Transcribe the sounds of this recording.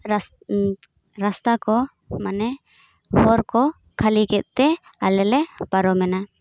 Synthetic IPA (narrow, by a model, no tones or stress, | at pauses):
ɾast̪akɔ | manɛ | hɔɾkɔ | kʰalikɛt̪̚ˀt̪ɛ | alɛlɛpaɾɔmɛna